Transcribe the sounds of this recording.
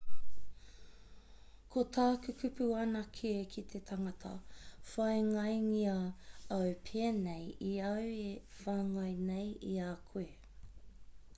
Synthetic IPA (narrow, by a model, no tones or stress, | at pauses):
kʰot̪ʰaːkʉkʉpʉɐnɐkʰeːkʰit̪ʰetʰɐŋɐtʰɐ̰fɐjŋɐjŋiɐɐwpʰeːnejiɐwe | faːŋɐjnejiakʰue